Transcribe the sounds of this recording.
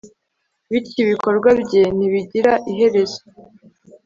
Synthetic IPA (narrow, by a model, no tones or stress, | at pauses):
βiciβiko̞ɾɡwabɟe̞niβiɟiɾaʔiɦe̞ɾe̞zo̥